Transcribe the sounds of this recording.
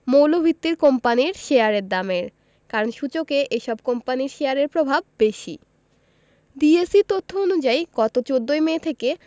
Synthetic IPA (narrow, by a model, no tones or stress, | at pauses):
mowlobʱit̪ːiɾkɔmpaniɾʃeaɾeɾd̪ameɾ | kaɾonʃut͡ɕokeʔeʃɔb̚kɔmpaniɾʃeaɾeɾpɾobʱab̚beʃḭ | diesit̪ot̪ʰːoonud͡ʑajkɔt̪ot͡ɕod̪ːojmeːt̪ʰeke